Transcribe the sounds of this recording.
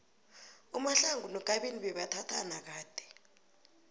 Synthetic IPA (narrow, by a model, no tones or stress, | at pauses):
umaɬaŋɡʱunɔɡ̥ʱaɓeniɓɛɓatʰatʰa̰nak̬aːd̥ʱɛ̥